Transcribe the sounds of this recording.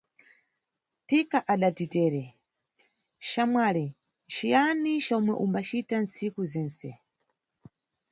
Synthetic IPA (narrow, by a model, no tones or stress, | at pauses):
tikaʔaɗatitɛːɾɛ | ʃamwalɛ | ʃijanit͡ʃɔmwɛ̰ʔumbat͡ʃitansikuzɛːnsɛ̰